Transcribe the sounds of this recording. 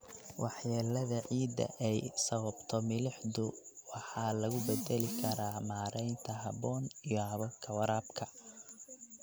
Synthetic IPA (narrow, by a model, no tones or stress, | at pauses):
wɑħjaːlɐðɐʕiːd̪ɐ̰ʔɛjsɐβɐbt̪ʰɔmɪlɪħdʊwɑħɑːlɐɣʊbɛd̪ɛlɪkʰɐɾaːmaːɾɛjnt̪ʰɐɦɐβɔːnijɔhɐβɐkʰɐwɐɾaːbkʰɐ